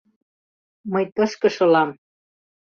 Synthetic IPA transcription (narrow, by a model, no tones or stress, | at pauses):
məjt̪ɤ̆ʃkɤ̆ʃŏlɑm